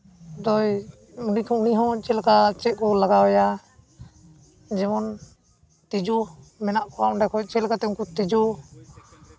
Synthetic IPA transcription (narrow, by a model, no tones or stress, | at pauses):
d̪ɔj | unikʰɔuniɦɔ̃t͡ʃɛlkat͡ʃɛt̪̚ˀkɔlaɡawɛja | d͡ʒɛmɔn | t̪id͡ʒɔ | mɛnaʔkɔaʔɔɳɖɛkʰɔt͡ʃɛlkat̪ɛũŋkut̪id͡ʒɔ